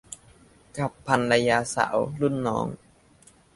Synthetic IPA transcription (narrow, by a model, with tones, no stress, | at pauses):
ka˨˧˩pʰːa˧nla˧jaː˧sa̰ː˩˦wlu˥˩˨nːɔ̰ː˦˥ŋ